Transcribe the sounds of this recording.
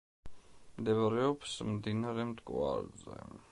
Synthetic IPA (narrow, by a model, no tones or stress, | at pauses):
md̪ɛvaɾɛɔbsmd̪inaɾɛmd̪ʼkʼwa̰ɾzɛ̰